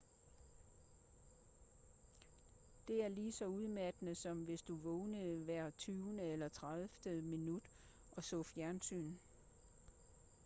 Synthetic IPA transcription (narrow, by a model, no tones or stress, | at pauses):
d̥e̝æɐliːsɒ̽uð̞ˠmæd̥nð̩ˠsɒ̽mʋe̝sd̥uʋɔːnəʋæɐ̰t͡sʰyːʊnəelɐt͡sʰʁɑðˠfd̥əminud̥ | ʔɒ̽sɔ̽fjæɐnsy̰ːn